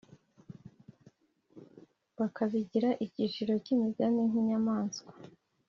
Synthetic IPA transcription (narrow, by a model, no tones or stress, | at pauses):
βakaβiɟiɾaʔicit͡ʃiɾo̞cimizaniŋiɲamaːnskwḁ